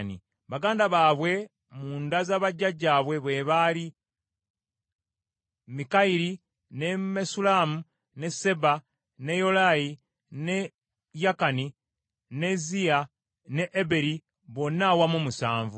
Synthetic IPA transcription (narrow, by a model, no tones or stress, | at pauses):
nḭ | βaɡaːndaβaːβwe̞ | muːndazaβaɟːaɟaːβwe̞βwe̞βali | mikaiɾi | ne̞mesulamu | ne̞se̞ba | ne̞jo̞laji | ne̞ | jakani | ne̞zia | ne̞ʔːbe̞ɾi | βo̞nːawamumusaːɱvu